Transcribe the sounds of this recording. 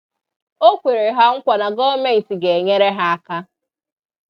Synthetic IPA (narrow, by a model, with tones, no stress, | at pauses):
o˦kʷe˨ɾe˨ɦa˦ŋ̩˦kʷa˨na˨ɡɔ˦me˦˨n̩˨ti˨ɡe˨e˨ɲe˦ɾe˦ɦa˦a˦ka˦